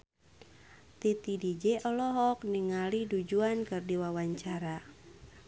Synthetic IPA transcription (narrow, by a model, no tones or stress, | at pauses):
t̪it̪idid͡ʒɛʔɔlɔɦɔk̚niŋalidud͡ʒuankɨrdiwawaɲt͡ʃaɾa